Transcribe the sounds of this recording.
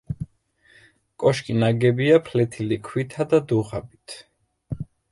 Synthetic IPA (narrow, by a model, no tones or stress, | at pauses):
kʼɔʃkʼinaɡɛbiapʰlɛt̪ʰilikʰwit̪ʰad̪ad̪uʁabit̪ʰ